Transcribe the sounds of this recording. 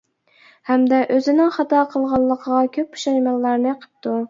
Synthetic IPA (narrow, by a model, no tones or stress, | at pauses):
hɛmd̪ɛʔøzɪnɪŋχɑt̪ɑqʰəlˠʁɑlˠːəqʰəʁɑkʲʰøp̚pu̥ʃɑjmɑlˠːɑɾnɨqʰə̥p̚t̪ʰu